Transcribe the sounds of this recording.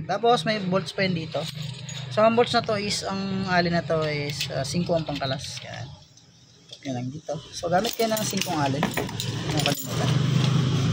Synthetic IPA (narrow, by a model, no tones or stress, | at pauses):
t̪aːpo̞smɐjbolt̪spɐjɐnd̪iːt̪o̞soɐŋbolt̪snɐt̪o̞ʔɪsɐŋʔaːlɪnɐt̪o̞ʔɛsɐsiŋkoʔɐŋpɐŋkɐlasɡa̰ʔa̰n | pjʊnɐŋd̪iːt̪o̞soɡaːmɪt̪̚kɐjonɐŋsiŋkoŋaːlɪnmokɐnɪmut̪a